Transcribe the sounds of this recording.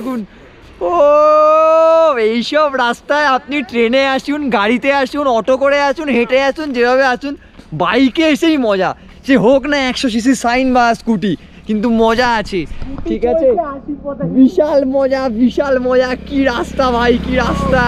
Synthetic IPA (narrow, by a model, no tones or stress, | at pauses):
kun | o | ejʃɔbɾast̪aeap̚niʈɾeneaʃʰunɡaɽit̪eaʃunɔʈokoɾeat͡ʃʰunɦeʈeat͡ɕʰund͡ʑebʱaβeat͡ɕʰun | bajkeeʃejmɔd͡ʑa | ʃeɦoknaɛkʃoʃ̬iʃ̬isajnbaskuʈi | kint̪̬umɔd͡ʑaat͡ɕʰeʈʰikat͡ɕʰe | biʃalmɔd͡ʑabiʃalmɔd͡ʑakiɾast̪abʱajkiɾast̪a